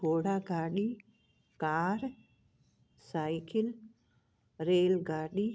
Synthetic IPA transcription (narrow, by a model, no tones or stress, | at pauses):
oːɽaːɡaːɗiː | kaːɾ | saːjkʰɪl | ɾeːlɡaːɗiː